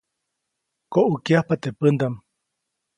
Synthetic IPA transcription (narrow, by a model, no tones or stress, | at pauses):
koʔukiahpat̪epɨnd̪am